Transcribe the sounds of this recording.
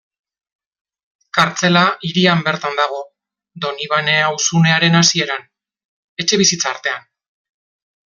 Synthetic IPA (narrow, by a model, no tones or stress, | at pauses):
kaɾt͡se̞laʔiɾiambe̞ɾt̪and̪aɣ̞o̞ | d̪o̞niβane̞awsune̞aɾe̞nasie̞ɾan | e̞t͡ʃe̞β̞isit͡saːɾt̪e̞an